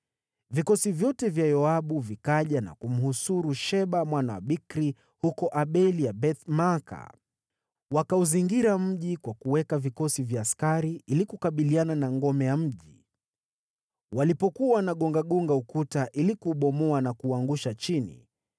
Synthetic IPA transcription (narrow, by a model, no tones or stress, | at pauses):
vikɔsivjɔtɛvjajɔaɓuvikaʄana̰kum̩husuɾuʃɛɓamwanawa̰ɓikɾi | hukɔʔaɓɛliabɛt̪maka̰ | wakauziŋɡiɾam̩ʄikwakuwɛkavikɔsivjaːskaɾiʔilikukaɓiliananaŋɡɔmɛjam̩ʄi | walipɔkuaanaɠɔŋɡaɠɔŋɡaukutaʔilikuːɓɔmɔanakuːaŋɡuʃat͡ʃinḭ